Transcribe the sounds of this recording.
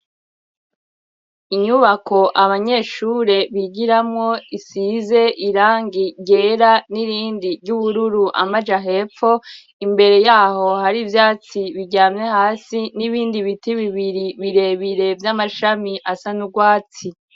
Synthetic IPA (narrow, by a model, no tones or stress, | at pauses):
iɲuβako̞ʔaβaɲe̞ːʃuːɾe̞βiɡiɾamŋo̞isize̞ʔiɾaːŋɡiɟe̞ːɾaniɾiːndiɾɟuβuɾuɾuʔa̰mad͡ʒaɦe̞ːfo̞ | imbe̞ɾe̞jaːho̞haɾivjaːt͡siβiɟaːmɲehaːsiniβiːndiβitiβiβiɾiβiɾe̞ːβiɾe̞vjamaʃamiʔasanuɡwaːt͡si